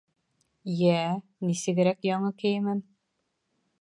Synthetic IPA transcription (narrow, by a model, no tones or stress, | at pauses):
jænisɘ̆ɡɘ̆ɾækjɑɴɤkɘjɘmɘn